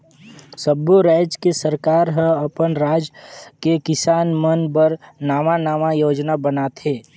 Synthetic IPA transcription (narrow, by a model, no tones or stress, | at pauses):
səboɾɛːd͡ʒkesəɾkaːɾɦə̃ɐpənɾaːd͡ʒkekɪsaːnmənbəɾnaːmanaːmajoːd͡ʒnabənaːt̪eː